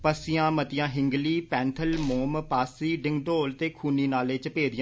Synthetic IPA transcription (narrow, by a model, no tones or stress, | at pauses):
pəsɪjãːmət̪ɪjãːɦɪŋɡliːpɛ̃ːnt̪ʰəlmoːmpaːsiːɖɪŋɡʈoːlt̪eːkʰuːniːnaːleːt͡ʃəpeːd̪ɪjãː